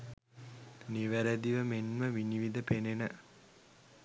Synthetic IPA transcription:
niʋæɾæd̪iʋəmenməʋiniʋid̪əpenenə

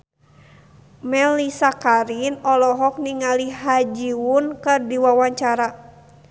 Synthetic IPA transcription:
mɛlisakaɾinɔlɔɦɔk̚niŋaliɦad͡ʒiwunkɨrdiwawaɲt͡ʃaɾa

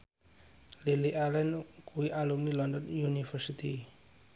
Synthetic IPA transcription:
liliʔalɛnkuiʔalumnilɔndɔnjunifərsit̪i

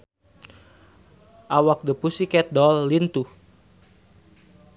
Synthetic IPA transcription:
ʔawak̚dəpusikɛt̪̚dɔlːint̪u

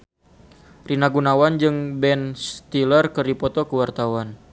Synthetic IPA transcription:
rinaɡunawand͡ʒɨŋbɛnst̪ilərkərdipɔt̪ɔkəwart̪awan

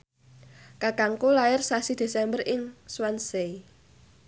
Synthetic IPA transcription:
kakaŋkolaɪrsasid̪̥e̤sɛmbərʔɪŋswansei

